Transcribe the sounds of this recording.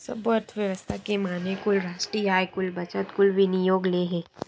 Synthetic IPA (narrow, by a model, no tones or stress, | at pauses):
sɐbəɾt̪ʰʋjəʋəst̪ʰakemaːnekʊlɾaːʃʈɾiaːjkʊlbɐt͡ʃət̪kʊlʋɪnijoːɡleːɦɛː